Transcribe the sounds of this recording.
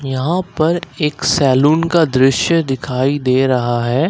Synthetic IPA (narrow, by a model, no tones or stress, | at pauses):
jɐɦãpɐɾeːksɛːluːnkad̪ɾɪʃjəd̪ɪkʰaːid̪eːɾɐɦaɦɛː